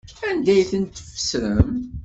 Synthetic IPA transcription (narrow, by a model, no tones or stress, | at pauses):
ænd̪æjθənt̪fə̥sɾəm